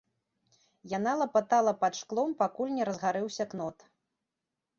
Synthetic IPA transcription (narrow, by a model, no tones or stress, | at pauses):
jan̪alˠɐpat̪alˠɐpat̪ʂklˠɔmpakulʲnʲɛɾɐzɣaɾɨwsʲɐknɔt̪